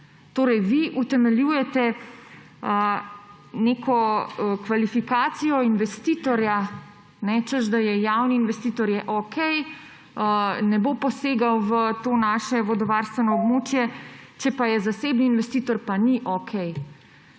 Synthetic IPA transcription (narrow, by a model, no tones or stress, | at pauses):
t̪oːɾɛjʋiʔut̪ɛmɛljujɛt̪ɛ | ə | nekʰɔkʋalifikaːt̪sijɔinʋɛst̪iːt̪ɔɾja | nɛt͡ʃəzd̪ajɛjawniːnʋɛst̪iːt̪ɔɾjɛʔɔkʰɛj | ənɛbopɔseːɡawʋət̪oːnaːʃɛʋɔd̪ɔʋaːɾst̪ʋɛnɔːbmoːt͡ʃjɛt͡ʃɛpajɛzaseːbniːnʋɛst̪iːt̪ɔɾpaniʔɔkʰɛj